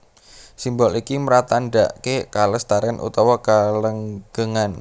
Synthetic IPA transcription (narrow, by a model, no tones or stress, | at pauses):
simbɔlikiməɾat̪anɖaʔkekaləst̪aɾɛnʔṵt̪ɔwakaləŋɡ̥əŋan